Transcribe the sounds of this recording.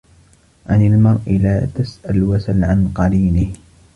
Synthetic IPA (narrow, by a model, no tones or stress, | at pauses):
ʕanalmɑɾˤʔɪlaːt̪asʔalwasalʕanqɑɾiːnɪh